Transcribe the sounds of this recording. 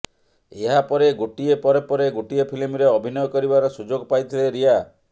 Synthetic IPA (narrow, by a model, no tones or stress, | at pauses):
eɦapɔɾeɡoʈiepɔɾepɔɾeɡoʈiepʰilimɾeɔbʱinɔjɔkɔɾibaɾɔsud͡ʒoɡpajt̪ʰileɾia